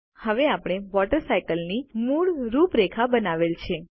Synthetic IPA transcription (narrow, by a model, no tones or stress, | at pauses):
həʋeapɽ̃eʋɔʈəɾsajkəlnimuɭɾupɾekʰabənaʋelt͡ʃʰe